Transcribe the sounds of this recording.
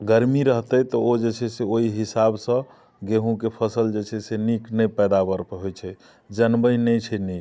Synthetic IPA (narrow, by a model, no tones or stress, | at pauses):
ɡəɾmiɾəɦt̪əjt̪ɔod͡ʒet͡ʃʰɛseoiɦisabsə̃ | ɡeɦũkepʰəsəld͡ʒet͡ʃʰɛseniknɛpɛd̪abəɾpɦojt͡ʃʰɛ | d͡ʒənbəjnɛt͡ʃʰɛnik